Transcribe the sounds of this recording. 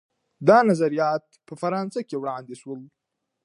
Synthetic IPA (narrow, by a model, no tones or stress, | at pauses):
d̪ɑnazaɾijɑt̪̚pəfaɾɑnsakewɽɑnd̪eʃwəl